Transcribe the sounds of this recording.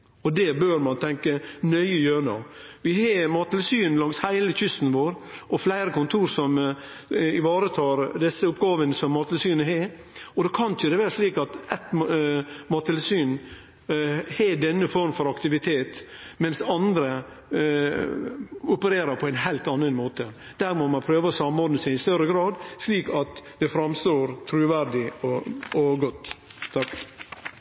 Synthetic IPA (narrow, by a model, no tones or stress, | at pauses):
ɔd̪ɛbøːɾmɑnt̪ʰɛŋkənœʏəjøːɾno̰ːʋɪhɑmɑːt̪ɪlsyːnlɑŋshæɪləçʏst̪n̩ʋoːɾʔɔflæɪɾəkʰʊnt̪ʰuːɾsɔm | ɪʋɑːɾət̪ʰɑːɾd̪ɛsːəʊp̚ɡɑːʋənəsɔmːɑt̪ʰɪlsyːnəɦe | ɔd̪oːkʰɑnc͡çəd̪ɛʋæːɾəʂliːkɑt̪ɛt̪ | mɑːt̪ʰɪlsyːn | hɛɖɛnːəfɔɾmfɔɾɑkt̪ɪʋɪt̪ʰeːt̪mɛnsɑnd̪ɾə | ʊpəɾeːɾəɾpʰɔæɪnɦæɪlt̪ɑnːənmoːt̪ə | d̪̥æːɾmomɑnpʰɾøːʋəɔsɑmɔɾd̪nəsæɪɪst̪œɾəɡɾɑːd̪sliːkɑt̪d̪̥ɛfɾɑmst̪oːɾt̪ʰɾʉːʋæɾɖɪɔɔɡɔt̪ːt̪ʰːɑk